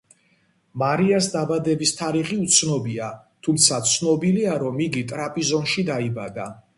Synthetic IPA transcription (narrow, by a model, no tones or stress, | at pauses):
maɾiasd̪abad̪ɛbist̪ʰaɾiχiut̪sʰnɔbia | t̪ʰumt̪sʰat̪sʰnɔbiliaɾɔmiɡit̪ʼɾapʼizɔnʃid̪aibad̪a